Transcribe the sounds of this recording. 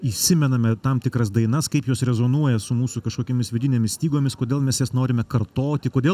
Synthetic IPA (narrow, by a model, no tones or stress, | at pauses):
iʃsʲɪmʲɛnɐmʲɛt̪ɐmt̪ʲɪkɾɐsd̪ɐɪnɐskɐɪpjoːsɾʲɛzoːnuɔjɛsʊmuːsʊkɐʃkoːkʲoːmʲɪsʋʲɪd̪ʲɪnʲemʲɪssʲt̪ʲiːɡoːmʲɪskoːdʲeːlˠmʲɛsjɛsnoːɾʲɪmʲɛkɐrt̪oːt̪ʲɪkoːd̪ʲeː